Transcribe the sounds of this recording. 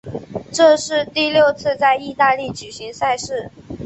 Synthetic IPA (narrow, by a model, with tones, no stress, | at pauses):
ʈ͡ʂɤ˥˧ʂɻ̩˥˧t̪i˥˧ljo˥˧ʊt͡sʰɹ̩˥˧t͡sa˥˧ɪi˥˧t̪a˥˧li˥˩t͡ɕy˨˩ɕi˧˥ŋsa˥˧ɪʂɻ̩˥˩